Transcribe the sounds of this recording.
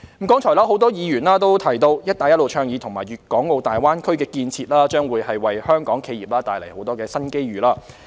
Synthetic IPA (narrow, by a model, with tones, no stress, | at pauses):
mm̩˨˩kɔː˨˥ŋt͡ʃʰɔː˨˩laː˥ho˨˥wt̪̬ɔː˥jiː˨˧jyː˨˩nlaː˥t̪o˥wt̪ʰɐ˨˩jt̪o˧wjɐ˥t̚t̪aː˨jɐ˥t̚lo˨wt͡ʃʰœː˧ŋjiː˨˧t̪ʰʊ˨˩ŋmaː˨˩jɥyː˨˩t̚kɔː˨˥ŋo˨˧wt̪aː˨jwaː˥nkʰɵ˥ɥkɛː˧kiː˧nt͡sʰiː˧t̚laː˥t͡ʃœː˥ŋwuː˨˧jhɐ˨jwɐ˨jhœː˥ŋkɔː˨˥ŋkʰe˧jiː˨˩p̚laː˥t̪aː˨˧jlɐ˨˩jho˨˥wt̪ɔː˥kɛː˧sɐ˥nke˥jɥyː˨laː˥